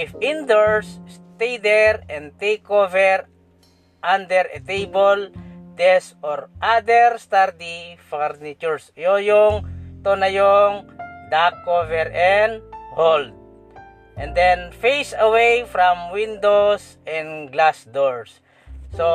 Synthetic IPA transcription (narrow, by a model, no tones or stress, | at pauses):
ɪfɪ̃nd̪ɔɹsːt̪ejd̪ɛɹɛ̃nt̪ejkovɛɹ | ʔãnd̪ɛɾɛt̪ejbold̪ɛsɔɹʔad̪ɛɹst̪aɾd̪ifɛɹnɪt͡ʃuɹsojoŋt̪onajoŋd̪akːovɛɹʔɛnd̪hold̪̚ | ʔɛ̃nd̪ɛ̃nfesɐwejfɾãmwĩnd̪os | ʔɛ̃nɡlasd̪ɔɹsː | o